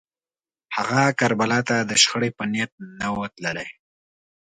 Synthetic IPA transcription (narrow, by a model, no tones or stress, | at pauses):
haɣakaɾbalat̪ad̪əʃxəɽepənjat̪̚nawət̪ləlaj